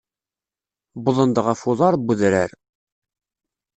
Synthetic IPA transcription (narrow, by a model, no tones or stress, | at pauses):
bʊðˤənd̪əʁæfʊðˤɑɾˤbuðɾæɾ